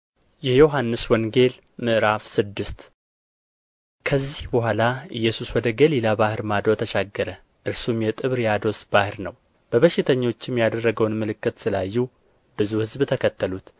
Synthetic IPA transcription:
jɛjo̞ɦanːɨswɔŋɡe̞l | mɨʔɨɾafsɨd̪ːɨst̪ | kʰəzːihbəɦʷalaɨjːɛsuswɔd̪əɡəlilabahɨɾmad̪ot̪ʰəʃaɡːəɾə | ʔɨɾsumjɛt̪ʼɨβɾjad̪o̞sb̥ahɨɾnəw | b̥əβəʃɪt̪ʰəɲːo̞t͡ʃːɪmjad̪ərːəɡəwnmɨlɨkːɨt̪sɨlajːu | bɨzuhɨzbt̪ʰəkʰət̪ʰːəlut̪

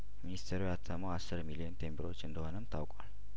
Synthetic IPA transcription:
minist̪ʰeɾujat̪ʰːəməwasːɨɾmilijont̪ʰe̞mbəɾo̞t͡ʃːɨnd̪əho̞nəmt̪ʰawkʼal

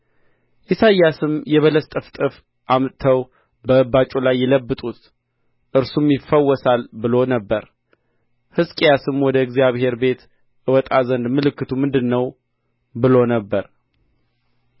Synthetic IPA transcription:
ʔisajːasɨmjɛβələst̪ʼəft̪ʼɨf | ʔamt̪ʰəw | bəɨbat͡ʃʼulajːɛləbːɨt̪ʼut̪ | ʔɨɾsumjifəwːɔsalbɨlo̞nəbːəɾ | hɨskʼjasɨmwɔd̪əɨɡzjaβhe̞ɾbe̞t̪ | ʔɨwɔt̪ʼazənd̪mɨlɨkːɨt̪ʰumɨnd̪ɨnːəw | bɨlo̞nəbːəɾ

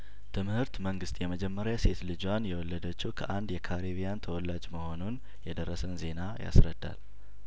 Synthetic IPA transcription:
t̪ʰɨmhɨɾt̪məŋɡɨst̪ʼjɛməd͡ʒɛmːəɾjase̞t̪lɨd͡ʒwanjɛwɔlːəd̪ət͡ʃːiwkʰəʔand̪jɛkʰaɾeβijant̪ʰəwɔlːad͡ʒməho̞nun | jɛd̪ərːəsənze̞naja̰sɾəd̪ːa̰l

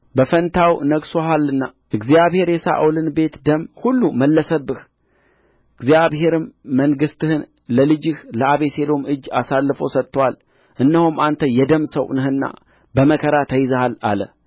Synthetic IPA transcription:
bəfənt̪ʰawnəɡsoɦalːɨnːaʔɨɡzijaβhe̞ɾjɛsa̰ʔwlɨnbe̞t̪d̪əmhulːuməlːəsəbɨh | ɨɡzijaβhe̞ɾɨmːəŋɡɨst̪ɨhɨn | ləlɨd͡ʒɪhləaβese̞lo̞mɨd͡ʒːasalːɨfosət̪ːəwal | ʔɨnːəhumant̪ʰəjɛd̪əmsəwnɨhɨnːa̰ | bəməkʰəɾat̪ʰəjɪzəhala̰lə

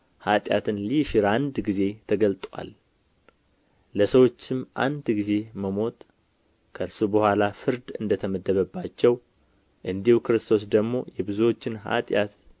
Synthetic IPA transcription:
hat̪ʼja̰t̪ʰɨnliʃɪɾand̪ɡize̞t̪ʰəɡəlt̪ʼwa̰l | əsəwo̞t͡ʃːɪmʔa̰nd̪ɡize̞məmo̞t̪ | kʰəlsubəhʷalafɨɾd̪ɨnd̪ət̪ʰəməd̪ːəβəbːat͡ʃːɛw | ʔɨnd̪ihukɨɾɨst̪ʰo̞s̬d̪əɡmo̞jɛbɨzuwo̞t͡ʃːɪnha̰t̪ʼjat̪

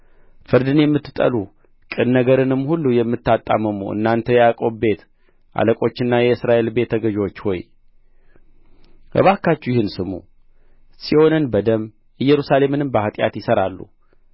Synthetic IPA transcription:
fɨɾd̪ɨnjɛmːɨt̪ːɨt̪ʼə̰lu | kʼɨnːəɡəɾɨnɨmːhulːujɛmːɨt̪ːat̪ʼːa̰məmṵʔɨ̰nːant̪ʰəjɛakʼo̞bbe̞t̪ | ʔa̰ləkʼo̞t͡ʃːɪnːajɛɨsɾaʔe̞lbe̞t̪ʰːəɡəʒot͡ʃːho̞̰j | ʔɨ̰βakːat͡ʃːujɪhɨnsɨmṵ | siho̞nɨnbəd̪əm | ɨjːɛɾusale̞mɨnɨmbəhat̪ʼja̰t̪jɪsəɾalːṵ

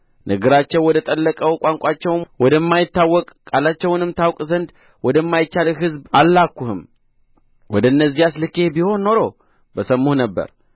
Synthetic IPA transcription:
nʔəɡɨɾat͡ʃːɛwwɔd̪ət̪ʼəlːəkʼəwkʷʼaŋkʷʼat͡ʃːɛwnwɔd̪əmːajɪt̪ːawːɔkʼkʼalat͡ʃːɛwnɨmt̪ʰawkʼzənd̪ | wɔd̪əmːajɪt͡ʃːalɦɨzbalːakːuhɨm | wɔd̪əɨnːəzːijaslɨkehbiho̞nːo̞ɾo̞ | bəsəmːuhnəbːə̰ɾ

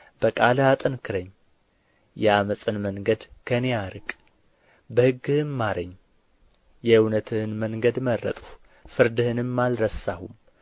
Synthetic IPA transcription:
b̥əkʼalat̪ʼɨnkʰɨɾəɲː | jɛaməsʼɨnməŋɡəd̪kʰəneaɾɨkʼ | bəhɨɡːɨhɨnmaɾəɲː | jɛɨwnət̪ʰɨhɨnməŋɡəd̪mərːə̰t̪ʼuh | fɨɾd̪ɨhɨnɨmːalɾəsahum

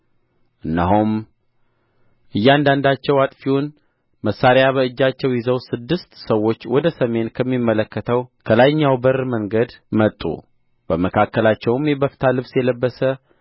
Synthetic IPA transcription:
ʔɨnːaɦum | ʔɨjːand̪and̪at͡ʃːɛwat̪ʼfiwʊn | məsːaɾjaβəɨd͡ʒːat͡ʃːɛwjɪzəwsɨd̪ːɨst̪səwːo̞t͡ʃːwɔd̪əsəme̞nkʰəmːimːələkːət̪ʰəwkʰəlajɲːawbəɾməŋɡəd̪mət̪ʼːṵ | b̥əməkʰakːəlat͡ʃːɛwɨmjɛbəfi̥t̪ʰalɨβsjɛləbːəsə

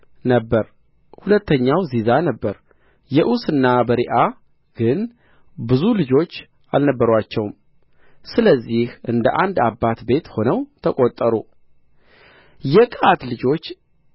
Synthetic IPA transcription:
nəbːəɾ | hulət̪ʰːəɲːawzizanəbːəɾ | jɛʔusɨnːabəɾiʔa | ɡ̥ɨn | bɨzulɨd͡ʒo̞t͡ʃː | a̰lnəbːəɾwat͡ʃːɛwm | sɨləzːihʔɨnd̪əʔand̪abːat̪be̞t̪ho̞nəwt̪ʰəkʼot̪ʼːəɾu | jɛkʼat̪lɨd͡ʒo̞t͡ʃː

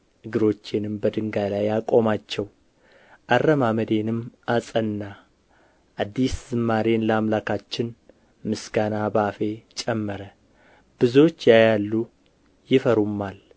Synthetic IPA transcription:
ʔɨɡɨɾo̞t͡ʃːenɨmbəd̪ɨŋɡajlajːakʼo̞mat͡ʃːɛw | ʔarəmaməd̪e̞nɨmʔasʼənːa | ʔad̪ːiszɨmːaɾenləamlakat͡ʃːɪn | mɨsɡanabafe̞t͡ʃʼɛmːəɾə | b̥ɨzot͡ʃːjajalːu | jɪfəɾumːal

